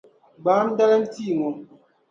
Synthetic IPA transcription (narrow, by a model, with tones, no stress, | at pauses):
ɡ͡baː˨˦m̩˦da˦lɛ˦n̩˦ti˦˨ŋɔ˨